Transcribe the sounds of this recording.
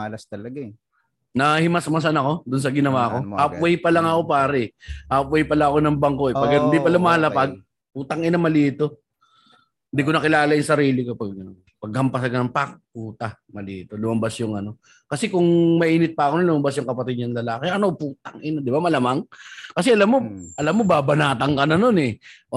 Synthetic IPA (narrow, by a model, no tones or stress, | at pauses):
lɐst̪ɐlɐɡa | nɐhɪmɐsmɐs̬ɐnɐko̞d̪ʊns̬ɐɡɪnɐwaːko̞hapwɛjpɐlɐŋɐko̞paːɾɛɛhaːpwɛjpɐlaɐko̞nɐŋbɐŋko̞ɛpɐɡɐɪnd̪ipɐlʊmaːɐlɐpaɡ̚ | put̪ɐŋʔɪnɐmɐliːt̪o̞ | ɪnd̪ikonɐkɪlaːlɐjʊŋsɐɾiːlɪkopɐɡ | pɐɡ̚hɐmpɐsɐɡɐnɐŋpak̚puːt̪a | mɐlḭːt̪o̞lʊmɐmbɐsjʊŋɐno̞ | kɐsɛkʊŋmɐʔiːnɪt̪̚pɐɐkononlʊmɐmbɐsjʊŋkɐpɐt̪ɪd̪̚ɲɐnlɐlaːkɪʔɐnopuːt̪̚aŋʔɪnd̪ɪbamɐlamaŋkɐsɛʔɐlamːo̞ʔɐlamːo̞baːbɐnaːt̪ɐŋkɐnɐno̞nɛ